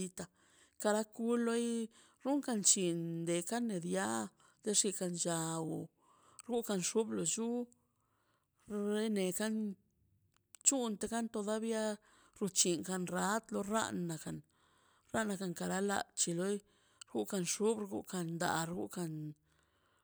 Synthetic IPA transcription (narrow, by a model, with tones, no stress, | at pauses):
i˧t̪a˧ | ka˧ɾa˦ku˦lo˦j | ɾu˦ŋka˧nt͡ʃi˨nd̪e˨ka˦nːe˨d̪ja˦ | d̪e˧ʂi˧ka˧nd͡ʒa˧wu˨ | ɾɡu˦ka˧nʂu˦blo˨t͡ʃu˦ | ɾe˦ne˨ka˦n | t͡ʃu˦nt̪e˧ka˦nt̪o˧d̪a˦bja˦ | ɾu˧t͡ʃi˨ŋka˧nɾa˦t̪lo˧ɾa̰˦nːa˨ka˨n | ɾa˦na˧ka˧ŋka˧ɾa˦la̰˧˨t͡ʃi˧lo˦j | ɾɡu˦ka˧nʂu˦bɾɡṵ˦ka˧nd̪a̰˨ɾɡṵ˦ka˧n